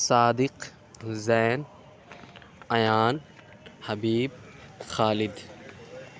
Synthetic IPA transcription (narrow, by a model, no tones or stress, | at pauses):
saːd̪iq | zajn | ɐjaːn | hɐbiːb̚xaːlid̪